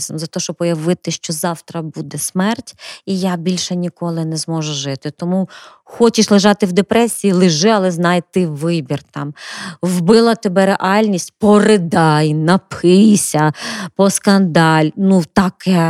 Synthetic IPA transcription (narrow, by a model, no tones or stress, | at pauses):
zɔmzɐt̪ɔɔʃt͡ʃɔb̚ɔjɐʋɪt̪ɪʃt͡ʃɔzɑwt̪ɾɐbud̪ɛsmɛrtʲijabʲilʲʃɛnʲikɔlˠɪnɛzmɔʒʊʒɪt̪ɪt̪ɔmu | xɔt͡ʃɪʃlˠɪʒɑt̪ɪwd̪epɾɛsʲijilˠɪʒɪɐlˠɛznɑjt̪ɪʋɪbʲirt̪ɑmwbɪlˠɐt̪ebɛɾeʔɑlʲnʲisʲtʲpɔrɪd̪ɑjnɐpʰɪjsʲɐpɔskɐnd̪ɑlʲnut̪ɑkɛ